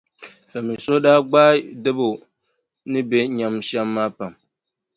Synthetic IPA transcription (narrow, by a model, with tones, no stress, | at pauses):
sa˨mɨ˨sʊ˦daː˦ɡ͡baː˦dɨ˦bo˨ | nɨ˦be˦ɲa˨mʃɛ˦mːaː˦pa˨m